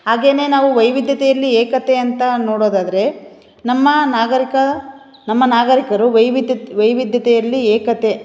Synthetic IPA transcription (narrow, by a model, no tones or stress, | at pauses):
ɦaːɡe̞ːne̞ːnaːʋuʋɐjʋid̪ʱjɐt̪ɛjɐlːieːkɐt̪e̞ɐnt̪ɐnoːɽoːd̪aːd̪ɐɾe̞ | nɐmːɐnaːɡɐɾikɐ | nɐmːɐnaːɡɐɾikɐɾuʋɐjʋiʋɐjʋid̪ʱjɐt̪ɛjɐlːieːkɐt̪e̞